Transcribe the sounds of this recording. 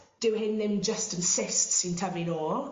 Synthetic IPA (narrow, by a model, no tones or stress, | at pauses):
d̥əwɦɪ̃nðɪ̃md͡ʒəstə̃nsɪstsɪ̃ntʰəvɪ̃nɔː